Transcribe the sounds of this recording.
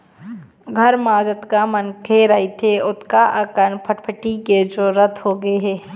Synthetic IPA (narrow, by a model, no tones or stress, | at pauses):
ɡʱɐɾmaːd͡ʒət̪kamənkʰeɾɐɦit̪ʰeʊt̪kaʔəkənpʰəʈpʰəʈiked͡ʒoːɾət̪ʰɦoɡeɦɛː